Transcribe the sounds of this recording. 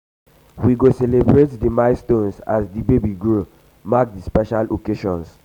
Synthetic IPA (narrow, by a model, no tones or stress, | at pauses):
wiɡosɛlebɹetdimaɪstõnsa̰sdibebiɡɹo | mak̚dispɛʃalokeʃɔ̃ns